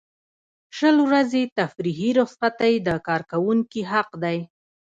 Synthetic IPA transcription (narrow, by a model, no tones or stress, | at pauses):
ʃəlwɾazet̪afɾiɦiɾʊsat̪ajd̪əkɑɾkawuŋkiɦaqd̪aj